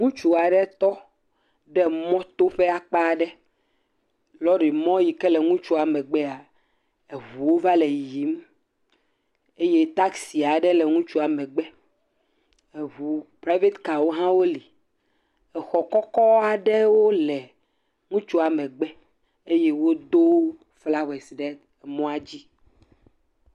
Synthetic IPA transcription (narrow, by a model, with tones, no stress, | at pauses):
ŋũ˦t͡ʃu˨a˨ɖɛ˦t̪ɔ˦ | ɖɛ˦mɔ̃˦t̪o˦ɸe˦a˨k͡pa˦˨ɖɛ˦ | lɔ˦ɖi˨mɔ̃˦ji˨kɛ˦lɛ˨ŋũ˦t͡ʃu˦a˨mɛ̃˨ɡ͡bɛ˦a˨ | e˨βu˨wo˦va˦le˨ji˨˦m | e˦je˦t̪a˦ksi˨a˨ɖɛ˦lɛ˨ŋũ˦t͡ʃu˦a˨mɛ̃˨ɡ͡bɛ˦ | e˨βu˨pɾa˦ve˦t̪ka˨wo˦ɦã˦wo˦li˨ | ɛ˨xɔ˨kɔ˦kɔ˦a˨ɖɛ˦wo˦lɛ˨ | ŋũ˦t͡ʃu˦a˨mɛ̃˨ɡ͡bɛ˦ | e˦je˦wo˦d̪o˦ | fla˦we˨sɖɛ˦ɛ˨mɔ̃˦a˨d͡ʑi˦